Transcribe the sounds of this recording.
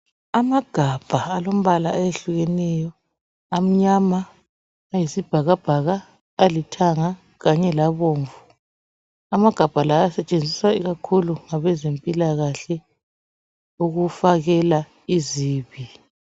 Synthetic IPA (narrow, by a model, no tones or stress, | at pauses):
amaɡ̥ʱab̥ʱaalom̩βalaajeɬuɣɛnɛjɔ | am̩ɲamaː | jisib̥ʱaɣab̥ʱaɣaː | litʰaŋa | ɣaɲɛlaβoːɱvu | amaɡ̥ʱab̥ʱalaasɛt͡ʃʼend͡zʱiswaiɣakʰuluŋaβɛzempʼilaɣaɬɛ | uɣufaɣɛla | iziːβi